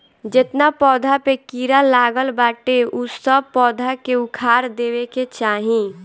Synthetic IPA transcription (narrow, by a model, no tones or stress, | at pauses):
d͡ʒet̪napɔːd̪ʱapekiːɾalaːɡəlbaːʈeusəb̚pɔːd̪ʱakeʊkʰaːɾd̪eːweket͡ʃaːɦĩ